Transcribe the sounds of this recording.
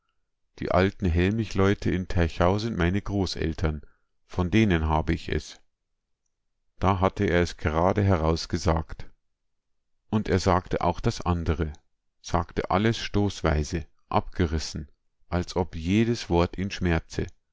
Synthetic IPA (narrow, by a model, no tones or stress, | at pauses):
d̥ḭːʔaltn̩ɦɛlmɪçlɔʏtʰəɪntʰɛɐçaʊzɪntmaɪnəɡʁoːsɛ̰ltʰɐn | fɔndeːnənɦaːbəɪçɛ̰s | d̥aːɦatʰəeːɐɛsɡ̥əʁaːdəɦɛʁaʊsɡ̥əza̰ːkt | ʔʊnteːɐzaːktəʔa̰ʊxd̥asʔandəʁ̞ə | z̥a̰ːktə̰ʔa̰ləsʃtoːsv̥aɪzə | ʔa̰pɡ̥əʁɪsn̩ | ʔalsʔɔpjeːdəsv̥ɔɐtiːnʃmɛɐt͡sə̰